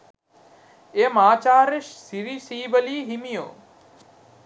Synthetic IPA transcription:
eːmãːt͡ʃaːɾɪʃsiɾisiːbəliːɦimijo̰ː

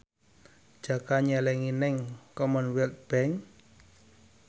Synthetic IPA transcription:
d̥d͡ʒ̥a̤kaɲɛlɛŋinɛŋkɔmənwɛlk̪̚b̥ɛŋ

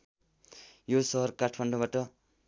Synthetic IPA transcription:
josʌɦʌrkaʈʰmaɳɖʌbaʈʌ

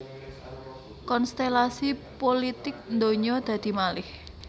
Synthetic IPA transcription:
kɔnst̪elasipolit̪ɪk̚nd̪oɲɔd̪̥ä̤d̪̥i̤malɪh

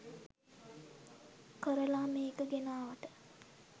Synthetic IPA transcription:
kəɾəlaːmeːkəɡenaːʋəʈə

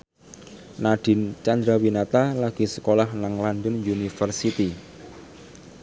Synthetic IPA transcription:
naɖ̥i̤nt͡ʃand̪ɾawinat̪alaɡ̥i̤sə̥kolahnaŋland̪ənjunifərsit̪i

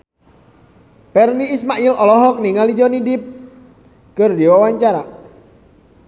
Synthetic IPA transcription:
pɛrniːsmaʔilɔlɔɦɔk̚niŋalid͡ʒɔnidɪp̚ | kərd̪iwawaɲt͡ʃaɾa

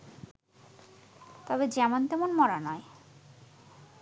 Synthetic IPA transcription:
t̪ɔbed͡ʑɛmont̪ɛmonmɔɾanɔe

